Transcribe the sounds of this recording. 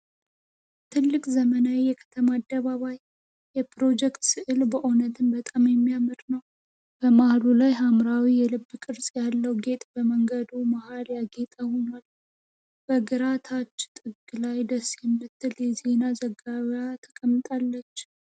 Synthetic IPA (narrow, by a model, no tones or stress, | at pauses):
t̪ʰɨlːɨkʼzəmənawijɛkʰə̥t̪ʰəmaːd̪ːəβaβajː | ɛpɾo̞d͡ʒɛkt̪sɨʔɨlbəʔonət̪ʰɨnbət̪ʼamjɛmːijamɨt̪nəw | b̥əmahlulajɦamɾawijɛlɨbːkʼɨɾsʼjalːəwɡe̞t̪ʼbəməŋɡəd̪umahaljaɡe̞t̪ʼəhoɲwal | b̥əɡɨɾat̪ʰat͡ʃːt̪ʼɨɡlajd̪əsjɛmːɨt̪ːɨljɛze̞nazəɡaβjat̪ʰəkʼəmːt̪ʼalːət͡ʃː